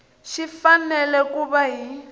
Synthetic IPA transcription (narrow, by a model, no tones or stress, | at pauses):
ʃifanɛlɛkuβaɦi